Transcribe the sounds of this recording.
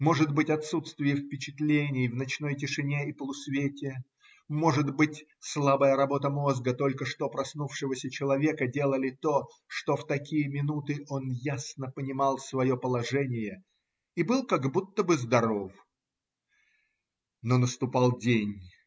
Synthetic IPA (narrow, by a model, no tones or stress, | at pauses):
mo̞ʐɨd̪bɨtʲɐt̪sut̪st̪vʲɪjɪfpʲɪt͡ɕɪt̪lʲenʲɪjvnɐt͡ɕn̪o̞jtʲɪʂɨnʲeipəlˠʊsvʲetʲɪ | mo̞ʐɨd̪bɨtʲslˠabəjəɾɐbo̞t̪əmozɡət̪o̞lʲkəʂt̪opɾɐsnufʂɨvəsʲət͡ɕɪlˠɐvʲe̞kədʲe̞lˠəlʲɪt̪o̞ | ʂt̪o̞ft̪ɐkʲijəmʲɪnut̪ɨʔo̞njasnəpənʲɪmɑlˠsvɐjo̞pəlˠɐʐɛnʲɪjə | ibɨlˠkɐɡbut̪ːəbɨzd̪ɐɾo̞f | nonəst̪ʊpalˠdʲenʲ